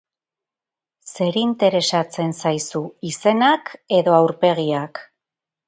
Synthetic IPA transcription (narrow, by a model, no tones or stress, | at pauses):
se̞ɾint̪e̞ɾe̞sat͡se̞nsajsuise̞nake̞ðo̞awɾpe̞ɣiak